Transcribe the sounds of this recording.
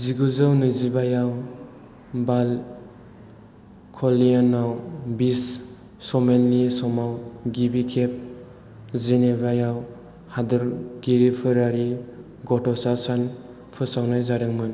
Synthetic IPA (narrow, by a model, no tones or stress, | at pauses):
ziɡuzɯwnɯjzibajaw | bal | kʰɔlianːawbisː | ɔmenlisɔmawɡibikʰep̚ | zenebajaw | hadɯɾɡiɾipʰɯɾaɾi | ɡɔtɔsasan | pʰɯsawnajzaɾɯŋmɯn